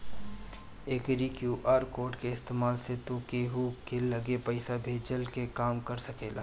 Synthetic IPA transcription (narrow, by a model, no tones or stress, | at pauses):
eːkɾikjuːʔaːɾkoːɾʈkeɪst̪eːmaːlset̪okeːɦukelɐɡepɐɪsabʱeːd͡ʒəlkekaːmkɐɾsɐkeːlaː